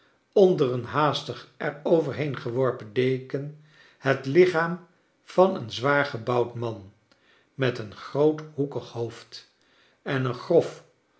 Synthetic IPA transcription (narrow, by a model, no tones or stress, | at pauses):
ɔndərənɦaːstəχʔɛɹowvəɹɦejnχəʋɔɹpəndejkən | hətlɪχaːm | v̥ɑnənzʋaːɹχəbɑwtmɑn | mɛtənχrowthukəχhowft | ɛnənχrɔf